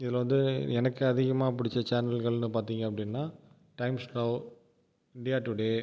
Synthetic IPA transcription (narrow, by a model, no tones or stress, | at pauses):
ɪðɪlʋɐnd̪ɯɛnɐkːɯɐðɪɣɐmaːp̬ʊɽɪt͡ʃːɐt͡ʃaːnɐlɣɐɭnɯpaːɾt̪iːŋɡɐɐpːɐɽɪnːaː | ʈɐɪmskɾɐː | ɪɳɖɪjaːʈːuɽe